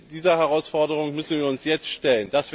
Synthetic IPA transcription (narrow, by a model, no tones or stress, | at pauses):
d̥iːzɐhɛʁaʊsfɔɐdəʁ̞ʊŋmʏsn̩viːɐʊnsjɛt͡stʃtɛlənd̥asv̥